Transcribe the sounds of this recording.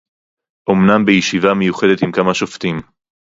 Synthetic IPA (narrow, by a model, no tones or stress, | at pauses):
ʔomnambejeʃivame̞juχe̞de̞t̪imkamaʃoft̪im